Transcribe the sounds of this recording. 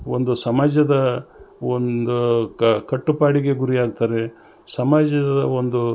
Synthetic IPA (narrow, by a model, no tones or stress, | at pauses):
ond̪usɐmaːd͡ʒɐd̪ɐond̪ukɐʈːupaːɽiɡe̞ɡuɾiaːɡ̚t̪aːɾe̞ | sɐmaːd͡ʒɐd̪ɐond̪u